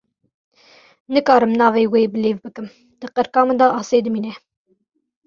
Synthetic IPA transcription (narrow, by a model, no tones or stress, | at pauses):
nɨkɑːɾɨmnɑːveːweːbəleːvbɨkɨm | d̪̥ɨqəɾkɑːmɨd̪ɑːʔɑːseːd̪ɨmiːnɛ